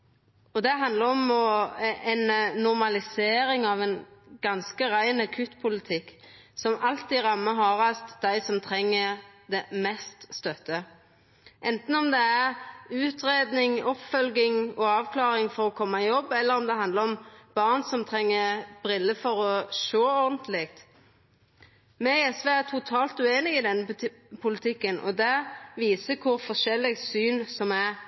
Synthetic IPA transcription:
ɔd̪ɛɦɑnd̪ləɾɔmɔɛnːʊʁmɑlɪseːɾɪŋɑʋɛnɡ̥ɑnskəɾæɪnɑkʰʉt̪pʰʊlɪt̪ʰɪkː | sɔmɑlt̪ɪɾɑmːəɦɑʁɑst̪d̪æɪsɔmt̪ʰɾɛŋːəd̪ɛmɛst̪st̪œt̪ːə | ʔɛnt̪n̩ɔmd̪ɛæɾʉːt̪ɾeːd̪nɪŋɔpfœlɡɪŋɔɑːʋkʰlɑːɾɪŋfɔɾɔkʰɔmːɑɪjɔbːɛlːəɾɔmd̪ɛhɑnd̪ləɾɔmb̥ɑʁnsɔmt̪ʰʁɛŋːəb̥ɾɪlːəfɔɾɔʃoːɔʁd̪nt̪ʰlɪkt̪ | mɛɪɛsʋeːæt̪ʰʊt̪ʰɑːlt̪ʉeːnɪɡɪd̪ɛnːə | pʰʊlɪt̪ʰɪkːənʔɔ̰d̪ɛʋiːsəkʰʊɾfɔʂɛlːɪɡsyːnsɔmæ

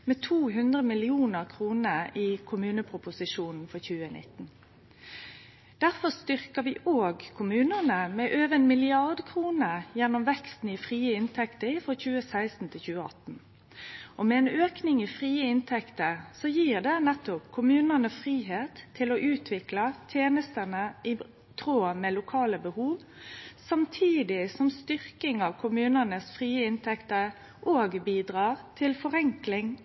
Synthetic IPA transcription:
mɛːt̪ʰuːɦʉnd̪ʁəmɪlɪuːnəʁkʰʁuːnəiːkʰʊmʉːnəpʰʁʊpʊsɪʂuːnn̩fɔçʉːənʔɪ̰t̪n̩ | d̪̥æʁfɔst̪ʏʁkəʋiːʔoːɡkʰʊmʉːnəʁnəmɛʔøːʋənmɪlɪɑʁd̪kʰʁuːnəjɛnːɔmʋɛkst̪n̩ifʁiːəɪnt̪ʰɛkt̪əɪfʁɔçʉːəsæɪst̪n̩t̪ʰɪlçʉːəɑ̰t̪n̩ | ɔmɛɛːnøːknɪŋifʁiːəɪnt̪ʰɛkt̪əɾsɔjiːʁd̪ɛnɛt̪ːɔpkʰʊmʉːnənəfʁiːɦeːt̪ʰːɪloʔʉːt̪ʰʋɪklɑt̪ʰjeːnəst̪ənəɪ | t̪ʰɾoːmɛːlʊkʰɑːləbəhuːʋ | sɑmt̪ʰiːd̪ɪsɔmst̪ʏʁkɪŋɑʋkʰʊmʉːnənəsfʁiːəɪnt̪ʰɛkt̪əɾ | ʔoːɡbiːd̪ʁɑːʁt̪ʰɪlfɔɾɛŋklɪŋ

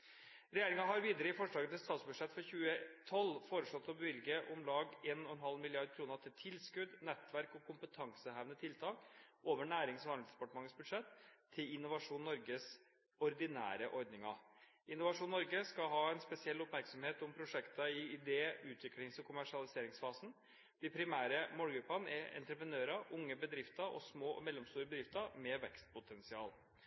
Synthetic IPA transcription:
ɾɛjeːɾɪŋɑɦɑɾʋiːd̪əɾəɪfɔʂɭɑːɡət̪ɛst̪ɑːt̪sbʉd̪ʂɛt̪ːfɔɾçʉːət̪ʰɔlːfoːɾəʂɭɔt̪ʰːɔbəʋɪlɡəʔʊmlɑːɡeːnɔhɛnɦɑlmɪlɪɑɾd̪̚kʰɾuːnəɾʈ̪ʰɪlt̪ʰɪlskʉd̪nɛt̪ːʋæɾkɔkʰʊmpət̪ʰɑŋsəhæʋnət̪ʰɪlt̪ʰɑːkʔoːʋəɳæːɾɪŋsɔɑnsd̪ɛpɑʈəmɑŋːət̪sbʉd̪ʂɛt̪ʰːɪlɪnʊʋɑʂuːnːɔɾɡəs | ɔɾd̪ɪnæ̰ːɾəʔɔɾd̪nɪŋɑ | ɪnʊʋɑʂuːnːɔɾɡəskɑɦɑːɛnspɛsɪɛlːɔpmæɾksɔmheːt̪ʊmpʰɾʊʂɛkt̪ɑɪɪd̪eːəʔʉːt̪ʰʋɪklɪŋsɔkʰʊmæʂɪɑlɪseːɾɪŋsfɑːsn̩ | d̪̥ɪpʰɾɪmæːɾəmoːlɡɾʉpːɑnɛɛ̰nt̪ɾəpɾənøːɾɑʊŋːəbəd̪ɾɪft̪ɑʔɔ̰smoːʔɔ̰mɛlːɔmst̪uːɾəbəd̪ɾɪft̪əɾmɛʋɛkst̪̚pʊt̪ʰɛnsɪɑ̰ːl

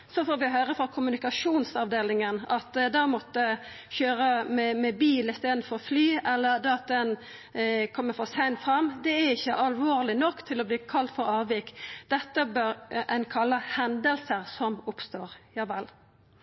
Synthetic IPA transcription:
sɔfoːɾʋɪɦøːɾəfɾɑkʰʊmʉnɪkɑʂuːnsɑʋd̪eːlɪŋənɑt̪d̪ɑːmɔt̪ːə | çøːɾəmɛmɛbiːlɪst̪eːd̪n̩fɔɾɔflyːɛlːəɾd̪ɑt̪̚d̪ɛn | kʰɔmːəfɔsæɪnfɾɑmːd̪ɛæɾɪçːəʔɑlʋoːɾlɪnɔkːt̪ʰɪlɔbliːkʰɑlt̪fɔɾɑːʋʋikd̪̥ɛt̪ːəbœɾæɪnkʰɑlːəhɛnd̪əlsəɾsɔmʊpst̪oːɾjɑːʋɛl

